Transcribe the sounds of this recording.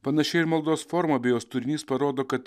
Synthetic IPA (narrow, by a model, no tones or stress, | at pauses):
pɐnɐʃʲɛɪɪɾmɐlˠd̪oːsfoɾmɐːbʲeːjoːst̪ʊɾʲɪnʲiːspɐɾoːd̪oːkɐt̪